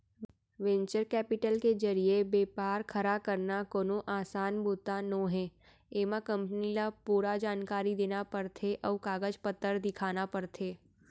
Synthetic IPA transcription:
ʋɛ̃ɲt͡ʃəɾkɛːpɪʈəlked͡ʒəɾiebeːpaːɾkʰəɾakəɾnakoːnoʔaːsaːnboːt̪anõɦɛ̃ː | eːmãkə̃mpənilapuːɾad͡ʒaːnkaːɾid̪eːnapəɾt̪ʰeʔɔːkaːɡəd͡ʒpət̪ːəɾd̪ɪkʰaːnapəɾt̪ʰeː

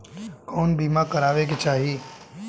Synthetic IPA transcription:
kɔːnbimãkəɾaʋeket͡ʃaːɦii

